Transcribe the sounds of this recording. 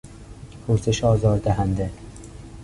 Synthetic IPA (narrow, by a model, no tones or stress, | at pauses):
pʰoɾseʃɒːzɒːɾd̪æɦænd̪e